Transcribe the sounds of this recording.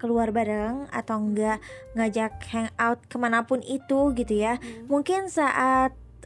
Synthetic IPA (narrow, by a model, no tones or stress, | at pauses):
kəluarbaɾəŋa̰t̪awŋɡaʔŋad͡ʒak̚hɛŋawt̪̚kəmanapʊnit̪uɡit̪ujamuŋkɪnsaʔat̪̚